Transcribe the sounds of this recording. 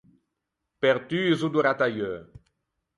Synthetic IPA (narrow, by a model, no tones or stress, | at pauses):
pɛʁt̪yzud̪uʁat̪ajø